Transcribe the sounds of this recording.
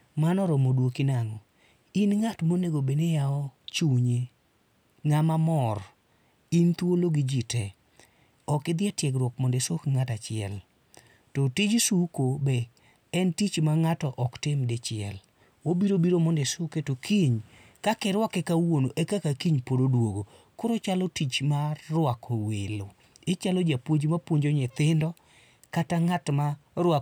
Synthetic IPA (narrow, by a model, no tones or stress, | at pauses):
manɔɾɔmodwokinaŋɔ | inŋatmoneɡobenejaɔt͡ʃuɲe | ŋamamɔr | int̪woloɡid͡ʒitɛ | ɔkɪd̪ɪɛtjɛkɾwɔkmɔndɛsokŋatat͡ʃɪɛ̰l | tɔtid͡ʒsukobɛ | ɛntit͡ʃmaŋatɔʔɔktɪmdet͡ʃɪɛ̰l | obiɾobiɾomɔndɛsoketokʰiɲ | kakɛɾwakɛkawonoʔekakakiɲpododwoɡo | kʊɾot͡ʃalɔtit͡ʃmarwakʰowelo | ɪt͡ʃalɔd͡ʒapwoɲd͡ʒmapwoɲd͡ʒoɲɛt̪ɪndɔ | kataŋatmaɾwa